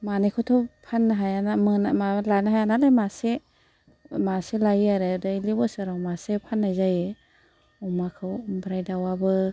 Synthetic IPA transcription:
manekʰɔtʰɔpʰanːaɦajanamɯnamalanaɦajanalajmase | maselajaɾɯdɯjlibɔsɯɾawmasepʰanːajzaje | ɔmakʰɯwɔmbɾajdawabɯ

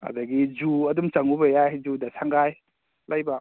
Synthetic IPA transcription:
a̰daɡid͡ʒuɐdumt͡ʃaŋubɐjajd͡ʒudasʰaŋɡaj | lajba

